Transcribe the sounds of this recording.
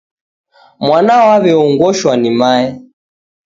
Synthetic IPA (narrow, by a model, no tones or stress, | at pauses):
mwanawaβɛɔŋɡwɔʃwanimaɛ